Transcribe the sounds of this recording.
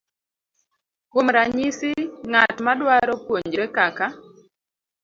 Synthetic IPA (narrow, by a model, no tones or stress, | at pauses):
komɾaɲisɪŋatmadwaɾɔpwoɲd͡ʒɾɛkaka